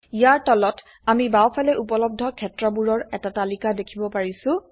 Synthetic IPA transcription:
ijaɹtɔlɔt | amibawpʰalɛʔupɔlɔb̚dʱɔkʰɛtɹɔbuɹɔɹɛtatalikadekʰibɔpaɹisʊ̃

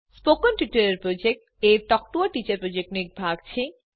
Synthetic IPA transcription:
spokonʈuʈoɾeɾpɾod͡ʑek̚ʈ | eɾʈɔk̚ʈuaʈit͡ɕaɾpɾod͡ʑek̚ʈnik̚bʱaɡt͡ɕʰe

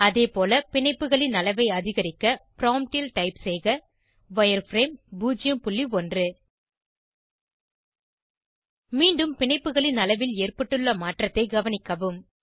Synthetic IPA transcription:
ɐðeːpoːlɐpɪɳɐɪpːɯɣɐɭɪnɐlɐʋɐɪɐðɪɣɐɾɪkːɐpɾaːmʈilʈɐɪpsɛɪɣɐ | ʋɐjɐɾfɾeːmbuːd͡ʒɪjɐmpʊɭːiɔndrɯ | miːɳɖɯmpɪɳɐɪpːɯɣɐɭɪnɐlɐʋɪleːrpɐʈːɯɭːɐmaːʈrɐt̪ːɐɪɡɐʋɐnɪkːɐʋɯm

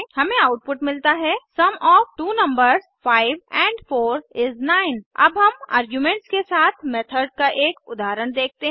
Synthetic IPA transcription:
hɐmẽaʊʈ̚pʊʈmɪlt̪aɦɛsɐmɔːfʈuːnɐ̃mbəɾzfaːɪʋɛ̃ːɳɖfoːɾɪznaːɪnɐ̰bɦɐma̰ːɾɡjumẽːɳʈskesaːt̪ʰmɛːt̪ʰəɾɖ̚kaʔeːkʊd̪aːɾəñd̪eːk̚ʰt̪eɦ

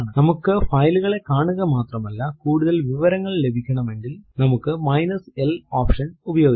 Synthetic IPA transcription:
ɳɨnɐmukːɨfɐjluɣɐɭe̞kaːɳuɣɐmaːt̪rɐmɐlːɐkuːɽuðɐlʋiʋɐɾɐŋːɐɭle̞bʱikʲːɐɳɐme̞ŋɡilnɐmukːɨmɐjnɐseloːpʂɐnubɐjo̞ːɡi

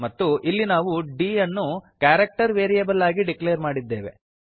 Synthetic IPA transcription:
mɐt̪ːuʔilːinaːʋuɖiːɐnːukaːɾɐk̚ʈɐɾʋeːɾijebɐlːaːɡiɖikleːɾmaːɽid̪ːe̞ːʋe̞̰

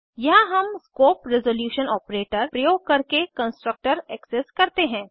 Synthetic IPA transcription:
jɐɦɦɐmskoːpɾɛzoljuːʃənɔːpɾeːʈəɾpɾɐjoːɡ̚kɐɾkekɐ̃nsʈɾək̚ʈəɾɛːkseskɐɾt̪eɦɛ̃ː

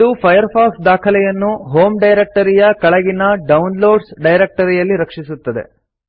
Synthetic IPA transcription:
d̪upʰɐjɐɾpʰaːksd̪aːkʰɐlɛjɐnːuɦo̞ːmɖɐjɾek̚ʈɐɾijɐkɐɭɐɡinɐɖɐwnloːɖsɖɐjɾek̚ʈɐɾijɐlːiɾɐkʂisut̪ːɐd̪e̞̰

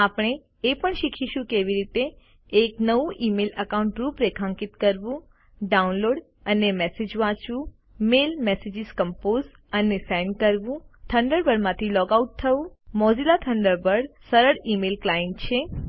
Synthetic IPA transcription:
apɳ̃eː | pəɳʃikʰiʃũkeʋiɾit̪eː | knəʋũʔimeləkauɳʈɾupɾekʰãŋkɪt̪kəɾʋũ | ɖaunloɽ | ənemɛsed͡ʒʋãt͡ʃʋũ | melmɛsed͡ʒizkəmpoz | ənesɛjnɖkəɾʋũt̪ʰəɳɖəɾbəɽmãt̪ʰilɔkauʈ̚t̪ʰəũmɔzilat̪ʰəɳɖəɾbəɽsəɾəɽimelklajeɳʈ̚t͡ʃʰe

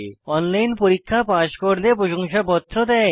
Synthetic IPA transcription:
ɔnlajnpoɾikʰːapaʃkoɾlepɾoʃoŋʃabɔt̪ːɾod̪ɛe

